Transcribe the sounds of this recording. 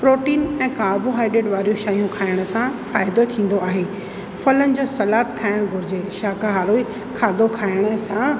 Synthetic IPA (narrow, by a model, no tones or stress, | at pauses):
pɾoːʈiːnɛ̃ːkaːboɦaːɪɖeːɖʋaːɾijoʃaːijũkʰaːɪɽ̃ə̆sãfaːjɪd̪ot̪ʰĩːn̆d̪oaːɦeː | fɐlənɪ̆d͡ʑoːsɐlaːt̪kʰaːɪɽ̃ɡʱʊɾɪd͡ʑeʃaːkaɦaːloi | kʰaːd̪okʰaːɪɽ̃ə̆sã